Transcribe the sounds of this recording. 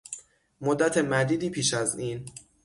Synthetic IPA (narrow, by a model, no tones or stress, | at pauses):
mod̪ːæt̪ʰe̞mæd̪iːd̪iːpʰiːʃæziːn